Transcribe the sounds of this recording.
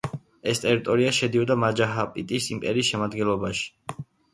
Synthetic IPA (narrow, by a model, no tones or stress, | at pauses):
ɛst̪ʼɛɾit̪ʼɔɾiaʃɛd̪iɔd̪amad͡ʒaɦapʼit̪ʼisimpʼɛɾiːsʃɛmad̪ɡɛnlˠɔbaʃi̥